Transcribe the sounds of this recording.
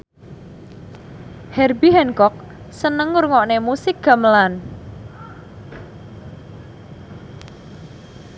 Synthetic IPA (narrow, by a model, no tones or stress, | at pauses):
hɛrbiɦɛnkɔk̚ | sənəŋːurŋɔʔnemusɪk̚ɡ̥a̤məlan